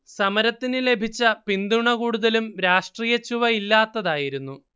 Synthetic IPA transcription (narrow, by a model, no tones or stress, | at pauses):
sɐmɐɾɐt̪ːinɨle̞bʱit͡ɕːɐpind̪uɳɐkuːɽuðɐlumɾaːʂʈriːjɐt͡ɕːuʋɐilːaːt̪ːɐðaːjiɾunːu